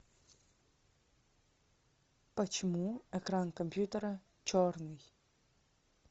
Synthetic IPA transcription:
pat͡ʃmuɛkɾankɔmpjut̪ɛɾɛ | t͡ʃɔɾni

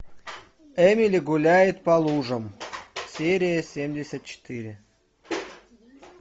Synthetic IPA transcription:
ɛmʲilʲɪɡulʲæjɪt̪̚pɑlˠuʐə̆msʲeɾʲɪjəsʲemʲdʲesʲət̪̚t͡ɕɪ̥t̪ɨɾʲɪ

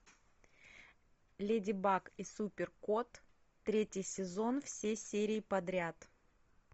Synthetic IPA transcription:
lʲedʲɪbakisupʲɪrkot̪ː | ɾʲetʲɪjsʲɪzo̞nfsʲesʲeɾʲɪːpɐd̪ɾʲat̪

